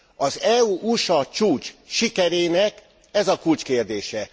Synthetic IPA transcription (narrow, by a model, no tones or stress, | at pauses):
ɒzɛuʔuʃɒt͡ʃuːt͡ʃʃikɛɾeːnɛk | ɛzɒkult͡ʃkeːrd̪eːʃɛ